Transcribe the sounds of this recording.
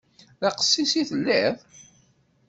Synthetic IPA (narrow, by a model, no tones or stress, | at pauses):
ɑqə̥sːisiθəlːiðˤ